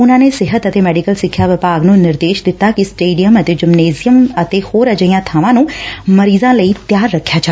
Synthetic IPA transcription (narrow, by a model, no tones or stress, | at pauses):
ʊnãːneːsɪɦət̪ət̪eːmɛːɖikəlsɪkʰːjaːʋɪpaːɡnũːnɪɾd̪eːʃd̪ɪt̪ːaːkɪsʈeːɖijəmət̪eːd͡ʒɪmneːzɪjəmət̪eːhoːɾəd͡ʒəijãːt̪ʰaːʋãːnũːməɾiːzãːləiːt̪jaːɾːəkʰːjaːt͡ʃa